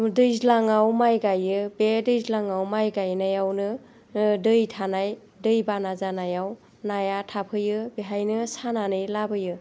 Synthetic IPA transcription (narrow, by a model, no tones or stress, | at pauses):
dɯjzlaŋawmajɡajɯbedɯjzlaŋawmajɡajnajawnɯ | dɯjtʰanaj | dɯjbanazanajaw | najatʰapʰɯjɯbiɦajnɯsananɯjlabɯjɯ